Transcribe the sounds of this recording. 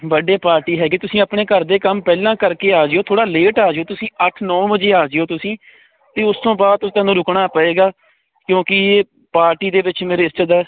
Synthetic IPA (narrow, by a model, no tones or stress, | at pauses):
bəɖeːpaːɾʈiːɦɛːɡeːt̪ʊsĩːəpɳeːkəɾd̪eːkəmpɛːlãːkəɾkeːaːd͡ʒeoːt̪ʰoːɽaːleːʈaːd͡ʒeoːt̪ʊsĩːəʈʰnɔːbəd͡ʒeːaːd͡ʒeːoːt̪ʊsĩː | t̪eːʊst̪õːbaːd̪̚t̪ʊt̪ɛ̃ːnũːɾʊkɳaːpəeːɡaː | kjõːkɪː | paːɾʈiːd̪eːʋɪt͡ʃmeːɾeːɪst͡ʃəd̪aː